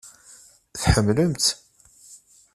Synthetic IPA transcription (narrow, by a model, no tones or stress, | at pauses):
θħəmːləmt̪